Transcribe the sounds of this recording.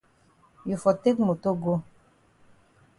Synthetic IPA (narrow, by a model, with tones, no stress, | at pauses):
ju˨fɔ˨te˦kmo˨to˦ɡo˦